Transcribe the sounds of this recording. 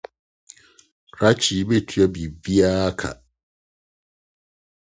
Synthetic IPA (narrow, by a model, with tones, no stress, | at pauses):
ɾa˦t͡ɕʰi˨˦be˦tʰɥa˦bi˨vi˦a˦kʰa̰˨